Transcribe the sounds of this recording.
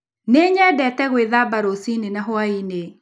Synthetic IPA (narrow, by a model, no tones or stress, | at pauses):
neːɲɛdɛtɛɣweðabaɾosinenaɦwaine